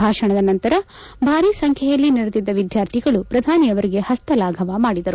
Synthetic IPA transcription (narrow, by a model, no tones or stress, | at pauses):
aːʂɐɳɐd̪ɐnɐnt̪ɐɾɐ | bʱaːɾiːsɐŋkʰɛjɐlːiniɾɐd̪id̪ːɐʋid̪jaːɾt̪ʰiɡɐɭupɾɐd̪ʱaːnijɐʋɐɾiɡe̞hɐst̪ʰɐlaːɡʱɐʋamaːɽid̪ɐɾu